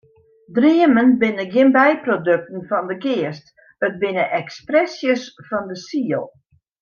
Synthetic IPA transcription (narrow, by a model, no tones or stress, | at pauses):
driəmənbɪnəɡjɪənbɛjprodøk̚tən̩fɔndəɡɪəst | ət̚bɪnəʔɛksprɛsjəsfɔndəsiəlˠ